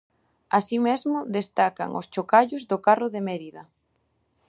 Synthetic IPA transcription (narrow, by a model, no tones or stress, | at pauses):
asimezmʊðest̪aka̰ŋʔʊ̰st͡ʃokaʎʊzðʊkarʊðemeɾiðɐ